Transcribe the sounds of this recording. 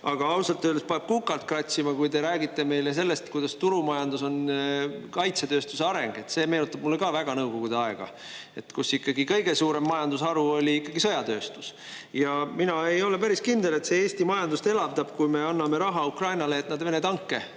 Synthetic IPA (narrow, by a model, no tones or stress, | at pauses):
ɑɡ̥ɑɑwsɑlt̪ːˑøːlespeɑb̥̚kukːˑɑlt̪̚krɑt̪ʲsimɑkujd̪e̞ɾæːɡit̪ːˑe̞me̞jles̬e̞lːe̞st̪kujd̪̥ɑst̪uɾumɑjɑnd̪uso̞n | kɑjt̪set̪ø̞ːst̪use̞ɑɾe̞ŋɡ̥e̞t̪se̞ːme̞ːnut̪ːˑɑb̥̚mulːekɑːvæɡ̥ɑnɤwɡo̞ɡ̥ud̪eɑeɡ̥ɑ̰ | e̞t̪ːkusikːɑɡikɤ̞jɡe̞suːɾe̞mːɑjɑnd̪usɑɾuo̞lʲiikːˑɑɡ̥isɤ̞jɑt̪ø̞ːst̪u̥s | jɑminɑe̞jo̞le̞pæɾiskind̪̥e̞le̞t̪se̞eːst̪imɑjɑnd̪ust̪e̞lɑvt̪ɑb̥kujmeɑnːɑme̞ɾɑɦɑukrɑjnɑle̞ːt̪nɑd̪ve̞net̪ɑŋkːe̞